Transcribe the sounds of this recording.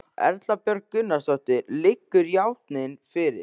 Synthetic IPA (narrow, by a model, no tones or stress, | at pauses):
ɛ̰ɾt̪lapjœɾkkːʏnːast̪ɔht̪ɪɾlɪkːʏɾjawht̪nɪnfɪɾɪ̰